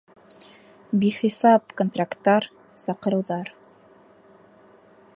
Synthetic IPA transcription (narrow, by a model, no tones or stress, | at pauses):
biχisɑp̚kont̪rakt̪ːɑɾ | sɑqɤ̆ɾɤ̆wðɑɾ